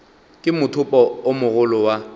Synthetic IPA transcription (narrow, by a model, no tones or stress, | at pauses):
kʼɪmʊtʰʊpʼɔomʊɣʊlʊwa